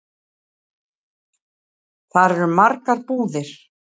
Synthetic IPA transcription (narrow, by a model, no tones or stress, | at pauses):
θaɾɛɾmaɾkaɾpuːðɪɾ̥